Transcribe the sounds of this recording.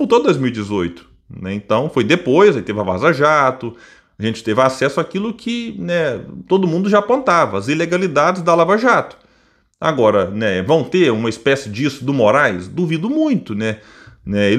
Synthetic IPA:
put̪od̪ojzmiwid͡ʒɪzojt̪ʊ̥ | nɛẽnt̪ɐ̃w̃fojd̪epojzait̪evɪava̰zaʒat̪ʊ | aʒẽnt͡ʃɪ̥t̪evɪasɛsʊakilʊkʰɪnɛt̪od̪ʊmũnd̪ʊʒapõnt̪avɐɐzileɡalid̪ad͡ʒɪzd̪ɐalavaʒat̪ʊ̥ | a̰ɡɔɾɐnɛvɐ̃w̃t̪eũmɐispɛsɪd͡ʒɪisʊd̪ʊmoɾajsd̪uvid̪ʊmũj̃t̪ʊnɛ | nɛe

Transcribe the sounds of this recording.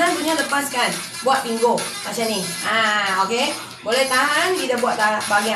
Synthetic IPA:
anpuɲaləpaskan | buaʔt̪iŋɡo | mat͡ʃamniʔaoke | bolɛht̪aɦanɡidabuaʔt̪abaɡia

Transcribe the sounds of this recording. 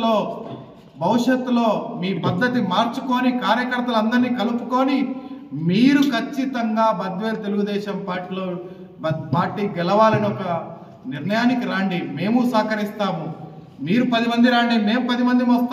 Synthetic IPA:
oː | bɐwuʂjɐt̪ːulo̞ːmiːbɐd̪ːɐt̪imaːɾt͡ʃuko̞ːnikaːɾjɐkɐɾt̪ɐlɐnd̪ɐɾniːkɐlupu̥ko̞ːnimiːɾukʰɐt͡ʃːit̪ɐŋɡaːbɐd̪ʋeːɾɐt̪e̞luɡud̪ɛːʃɐmpaːɾʈiːloː | paːɾʈːiːɡɛlɐʋaːlɐniɔkɐ | niɾnɐjaːnikiɾaːɳɖime̞ːmusaːkɐɾist̪aːmu | miːɾupɐd̪imɐnd̪iɾaːɳɖine̞ːmupɐd̪imɐnd̪imɐst̪a

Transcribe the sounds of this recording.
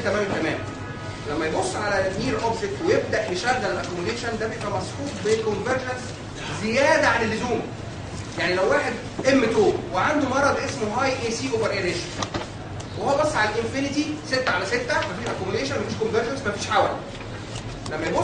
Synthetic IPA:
t̪æmæːmenk̪æmæːm | læmːæjebosːʕalæniːɾʔɑbzet̪wejeb̚d̪æʔjeʃæɣːælelʔækomuleːʃænd̪æbejeʔʔæmæsħuːt̪̚ˤbekonveɾd͡ʒæns | zejæːd̪æʕanelːozuːm | jaʕnilæwːaːħed̪ | ʔemːet̪oːweʕand̪umɑɾˤɑd̪ʔesmoɦɑːjʔeːsiːʔoːveɾʔeɾeːʃn | wehowæbɑsˤːʕalælʔenfinit̪iset̪ːæʕalæset̪ːæmæfiːʔækomuleːʃænmæfiːʃkonveɾʒænsmæfiːʃʕaːwæl̰ | læmːæjebo

